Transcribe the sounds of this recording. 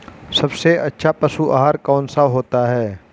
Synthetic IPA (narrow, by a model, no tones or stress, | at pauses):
sɐbseɐtːʃʰapɐsuʔaɦaːɾkaːnsaɦoːt̪aɦɛː